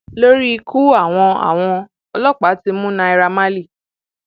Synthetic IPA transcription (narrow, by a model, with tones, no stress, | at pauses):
lo˦ɾi˦˧kʰu˦a˦˨w̃ɔ̃˧a̰˨w̃ɔ̃˧ | ɔ˧lɔ˦˨k͡pa˨˦ti˧mũ˦nã˧i˧ɾa˧ma˦li˦˨